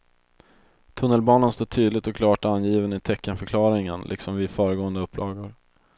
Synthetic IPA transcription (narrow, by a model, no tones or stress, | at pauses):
t̪ʰɵnːəlbɑːnanst̪oːʈʰyːd̪lɪt̪ɔkʰlɑːʈanjiːvənɪt̪ʰɛkːənfœɾkʰlɑːɾɪŋənlʔɪ̰ksɔmvɪfœːɾəɡoːənd̪əɵpːlɑːɡʊɾ